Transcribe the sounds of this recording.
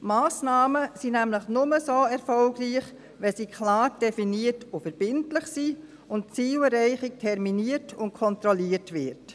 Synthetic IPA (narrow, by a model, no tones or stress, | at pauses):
maːsnɑːməsinæmləχnʊməsoːɛɾfɔlɡriːχ | ʋɛsiːkʰlɑːɾd̥ɛfiniːətʊfəɾb̥ɪntlɪχsiː | ʊntt͡siːləɾɛɪχɪk̚tʰɛɾminiətʊntkʰɔntɾɔliəɾtʋɪɾt